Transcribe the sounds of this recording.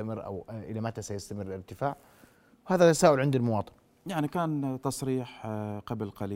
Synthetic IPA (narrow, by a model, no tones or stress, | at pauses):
amɪrːʔa̰wʔɪlamat̪asajɪst̪amɪrːlɪɾt̪ɪfaːʕ | whaːðat̪ːasaːʔʊlʕɪnd̪almʊwɑːt̪ˤɨ̥n | jaʕnikaːnt̪ɑsˤɾiːħqɑblqɑliː